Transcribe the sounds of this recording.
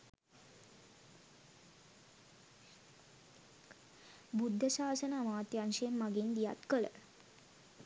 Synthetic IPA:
bud̪ʱːəʃaːsənəəmaːt̪janʃemːaɡind̪ija̰t̪kəɭə̰

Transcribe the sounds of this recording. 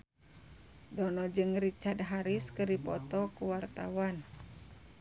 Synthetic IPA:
dɔnɔd͡ʒɨŋrit͡ʃad̚ɦaɾiskɨripɔt̪ɔkuwart̪a̰wan

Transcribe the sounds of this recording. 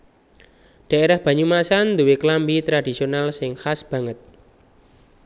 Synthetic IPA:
d̥ä̤ʔeɾahb̥ä̤ɲumasand̪uweklambit̪ɾadisionalsɪŋhasb̥ä̤ŋət̪̚

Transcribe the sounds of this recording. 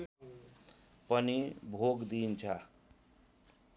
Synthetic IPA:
pʌnibʱoɡd̪int͡sʰʌ

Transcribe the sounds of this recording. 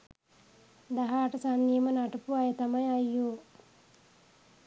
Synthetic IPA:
d̪aɦaːʈəsanːijəmənaʈəpuajət̪amajajːoː

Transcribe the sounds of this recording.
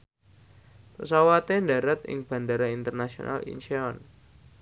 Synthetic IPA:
pəsawat̪endaɾat̪ɪ̰ŋb̥a̤ndaɾaint̪ərnasio̰nʔa̰lḭnʃeɔn

